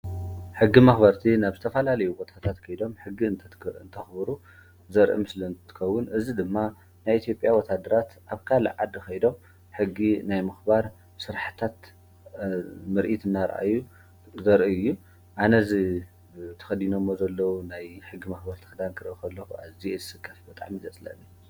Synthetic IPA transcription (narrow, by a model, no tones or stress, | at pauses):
ħɨɡːimɐxbɐɾt̪ʰinaβzɨt̪ʰɐfɐlalɐjubot̪ʼʰat̪ʰat̪kʰɐjd̪o̞mħɨɡːiɨnt̪ʰɐɨnt̪ʰɐxbɨɾu | zɐɾʔḭmɨslint̪ʰɨ̥kʰɐwːʊnʔɨzid̪ɨmːa | najʔit̪ʰjo̞pʼjawɔt̪ʰad̪ɐɾat̪ʔaβkʰalʕad̪xɐjd̪o̞m | ħɨɡːinajmɨxbaɾ | sɨɾħɨt̪ʰat̪ | mɨɾʔit̪ɨnːaɾʔa̰jːu | zɐɾʔiɨjːu | ʔanɐzi | t̪ʰɐ̥xɐd̪inomːozɐlːɐwunajħɨɡːimɐxbɐɾt̪ʰɐ̥xɨd̪ankʰɨɾʔɨkʰɐlːɐxuʔaβziezɨsɨkʰʼːɐfbɨt̪ʼa̰ʕmizɐt͡sʼlɐ̰nːi